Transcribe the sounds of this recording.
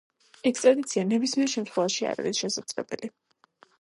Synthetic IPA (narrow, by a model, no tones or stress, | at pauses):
ɛkʰt̪ʼɾad̪it̪sʰianɛbismiɛɾʃɛmt̪χwɛvaʃia̰ɾa̰ɾisʃɛsat̪sʼlɛbɛ̰li